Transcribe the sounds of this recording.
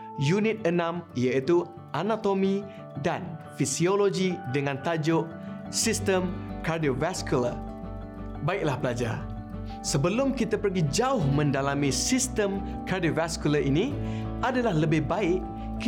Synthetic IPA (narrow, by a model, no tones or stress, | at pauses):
junit̪̚ənãmijait̪u | ʔanat̪omi | danfisioloɡidəŋãnt̪ad͡ʒʊʔsist̪əmkardiovaskula̰ | baɪk̚lahpəlad͡ʒa̰r | səbəlʊmkit̪apərɡid͡ʒaʊhmə̃ndalamisist̪əm | kardiovaskulaʔini | adalahləbɪhbaɪʔ | k